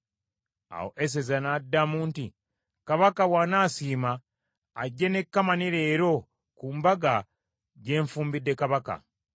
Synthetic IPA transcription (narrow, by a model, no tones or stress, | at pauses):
a̰ho̰ʔes̬ezanadːamuːnti | kaβakawaːnaːsiːmaː | ɟːene̞kːamaniɾe̞ːɾo̞ | kuːmbaɡa | ɟe̞ːɱfuːmbidːe̞kaβaka̰